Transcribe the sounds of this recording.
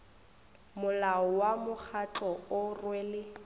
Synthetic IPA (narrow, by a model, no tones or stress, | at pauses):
mʊlaɔwamʊk͡xʰat͡ɬɔʊrweːlɪ